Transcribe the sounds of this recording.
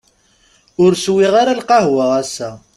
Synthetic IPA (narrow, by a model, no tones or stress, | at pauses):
ʊɾswiʁaɾalqɑɦwəʁæsːæ